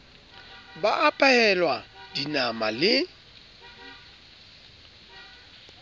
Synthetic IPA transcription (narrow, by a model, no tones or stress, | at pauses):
baʔapʼaɛlwad̥inamalɪ